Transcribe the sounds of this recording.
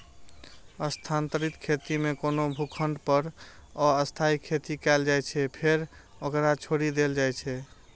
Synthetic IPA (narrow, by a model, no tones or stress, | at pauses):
əst̪ʰant̪əɾit̪kʰet̪imekonobʱukʰəɳɖpəɾɔəst̪ʰaikʰet̪ikɛld͡ʒajt͡ʃʰɛpʰeɾokɾat͡ʃʰoɽid̪eld͡ʒajt͡ʃʰɛ